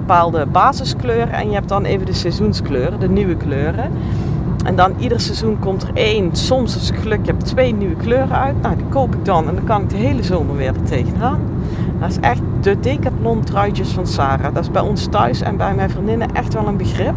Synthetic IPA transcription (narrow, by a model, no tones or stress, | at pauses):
bəpaːlˠdəbaːzəskløːrə̰ɛ̰njəɦɛp̚tdɑneːvəndəsɛzunskløːrədənyʋəkløːrə | ʔɛ̰ndɑnʔidərsɛzunkɔmtərejnsɔmsɑsɪtxəlɵkjɛbtʋejnyʋəkløːrəœɥtnawdikowpɪɡ̚dɑnɛndɑkɑnɪɡ̚dəɦejləzoːməʋɪːɹdətejɣənɦaːn | dɔɪsɛxtdədeːkatlɔntrœjtjəsfɑnsaːraːdɑtɪzbɛjɔnstœɥsɛ̰nbɛjmɛjvrindɪnəʔɛxtʋɛlˠənbəɣrɪp̚